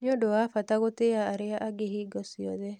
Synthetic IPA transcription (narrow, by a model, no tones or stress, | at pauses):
njodoafat̪aɣot̪eaːɾɪaʔaɡeɦiɡɔsiɔ̰ðɛ